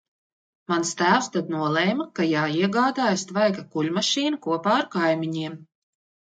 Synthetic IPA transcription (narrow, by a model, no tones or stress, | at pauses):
manst̪æːwst̪ad̪̚nuɔlˠɛjmakajaːiɛɡaːd̪aːjast̪vajkakuʎʲmaʃiːnukuɔpaːaɾkajmʲiɲiɛm